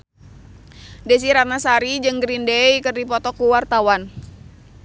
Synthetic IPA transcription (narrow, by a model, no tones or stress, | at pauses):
des̬iɾat̪̚nasaɾid͡ʒɨŋɡɾindejkɨrdipɔt̪ɔkuwart̪awan